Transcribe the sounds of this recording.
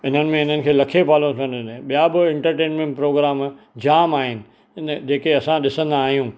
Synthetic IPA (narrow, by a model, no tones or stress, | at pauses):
ɪn̤ənɪ̆mẽɪn̤ənɪ̆kʰeːlɐkʰebʱaːlõt̪ʰɐ̃nɪnẽɓijabɪɪ̃ɳʈəɾʈeːnmẽɳʈpɾoːɡɾaːm | d͡ʑaːmaːɦɪnɪ̆ | nd͡ʑeːkeɐsãɗɪsə̃nd̪aːɦijũ